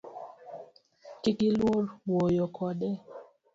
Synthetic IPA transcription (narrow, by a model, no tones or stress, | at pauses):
kikilwoɾwojɔkʰɔdɛ